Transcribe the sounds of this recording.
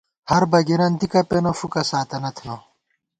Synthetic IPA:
hɐɾbɐɡiɾɐnd̪ikɐpenofukɐsaːt̪ɐnɐt̪ʰno

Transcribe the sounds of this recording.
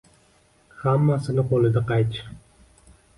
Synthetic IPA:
hamːasɪnɪqolˠɪd̪aqɑjt͡ʃʰ

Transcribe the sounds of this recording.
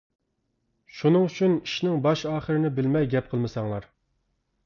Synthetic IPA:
ʃunɨŋyt͡ʃʰyniʃnɪŋbɑʃɑːχəɾɪnɪbɪlmɛjɡʲɛp̚qʰəlˠmɨsɑŋlˠɑɾ

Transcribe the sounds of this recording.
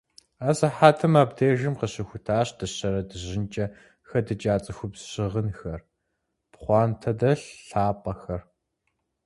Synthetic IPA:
azɐħaːtʰɐmaːbdeːʒɪmqəɕɐxʷʊtʰaːɕd̥ɐɕɐɾɐdɨʑɪnt͡ʃʼɐ | xɐdɨt͡ʃʼaːt͡sʼɨxʷʊbzɕɪʁənxɐr | pχʷɑːntʰɐdɐɬɬaːpʼɐxɐr

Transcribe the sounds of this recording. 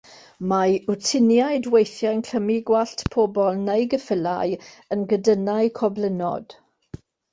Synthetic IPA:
majʊtʰɪnjaɨdwejθjajnkʰəmiɡwaɬtpʰoːbɔlˠnejɡəfəla̰j | ənɡədənaɨkʰɔblənɔ̰d̥

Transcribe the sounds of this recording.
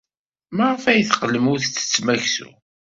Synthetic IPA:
maʁfæjəθqːəlːəmʊθt͡sːə̥t͡sːmæçsṵ

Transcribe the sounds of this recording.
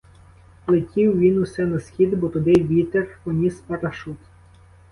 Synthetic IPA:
plˠetʲiwʋʲinusɛnɐsxʲid̪bɔt̪ʊd̪ɪjʋʲit̪erpɔnʲispɐɾɐʃut̪

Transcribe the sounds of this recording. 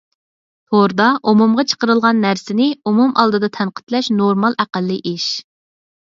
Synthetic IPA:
hoɾd̪ɑʔumumʁɑt͡ʃʰə̥qəɾəlˠʁɑnːæɾsɪnɪumumʔɑlˠd̪ɨd̪ɑt̪ʰɛnqə̥t̪lɛʃnoɾmɑlˠʔæqælːɨʔiʃ

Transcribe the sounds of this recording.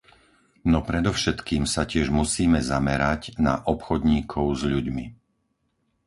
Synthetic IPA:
nɔpɾɛd̪ɔʊʃɛt̪kiːmsacɪɛʒmusiːmɛzamɛɾaɟna̰ʔɔpxɔd̪ɲiːkʰɔʊzʎuɟmi

